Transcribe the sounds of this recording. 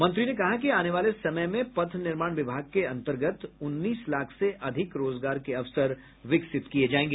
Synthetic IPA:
mɐ̃nt̪ɾinekɐɦak̬iaːneʋaːlesɐməjmẽpɐt̪ʰnɪɾmaːɽ̃ʋɪbʱaːɡ̚keɐ̃nt̪əɾɡət̪ʊnːiːslaːkʰseʔɐd̪ʱɪkɾoːzɡaːɾkeɐʋsəɾ | ʋɪksɪt̪kied͡ʒaːẽːŋɡe

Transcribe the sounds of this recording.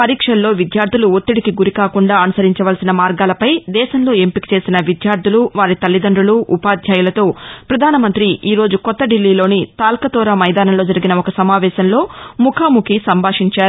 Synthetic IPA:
pɐɾiːkʂɐnlːo̞ːʋid̪jaːɾd̪ʱuluot̪ːiɽikiɡuɾikaːkuɳɖaːɐnusɐɾiɲt͡ʃɐʋɐlsinɐmaːɾɡaːlɐpɐjd̪ɛːʃɐmlo̞ːe̞mpiki̥t͡ʃe̞ːsinɐʋid̪jaːɾd̪ʱuluʋaːɾit̪ɐlːid̪ɐɳɖuluʔupaːd̪ʱjaːjulɐt̪o̞ːpɾɐd̪ʱaːnɐmɐnt̪ɾiʔiːɾo̞ːd͡ʒukɔt̪ːɐɖilːiːlo̞ːnit̪aːlkɐt̪ɔːɾɐmɐjd̪aːnɐmlo̞ːd͡ʒɐɾiɡinɐɔkɐsɐmaːʋɛːʃɐnlo̞ːmukʰaːmukʰisɐmbʱaːʂiɲt͡ʃaːɾu

